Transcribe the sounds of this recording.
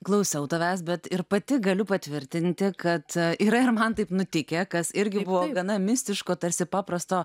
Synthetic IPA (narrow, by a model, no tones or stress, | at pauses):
klˠɐʊsʲɛʊt̪ɐʋʲæːsbʲɛt̪ɪɾpɐt̪ʲɪɡɐlʲʊpɐt̪ʲʋʲɪɾʲt̪ʲɪnʲt̪ʲɪkɐt̪iːɾɐɪɾmɐnt̪ɐɪpnʊt̪ʲɪkʲekɐsɪɾʲɡʲɪbʊʋoːɡɐnɐmʲɪsʲt̪ʲɪʃkoːt̪ɐɾʲsʲɪpɑːpɾɐst̪oː